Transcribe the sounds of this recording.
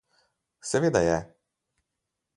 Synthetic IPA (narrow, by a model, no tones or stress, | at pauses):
sɛveːd̪ajɛ